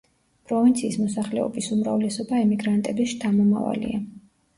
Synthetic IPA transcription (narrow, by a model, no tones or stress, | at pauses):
pʼɾɔvint̪sʰiːsmɔsaχlɛɔ̰bisumɾavlɛsɔbaɛmiɡɾant̪ʼɛbisʃt̪ʰamɔma̰va̰lḭa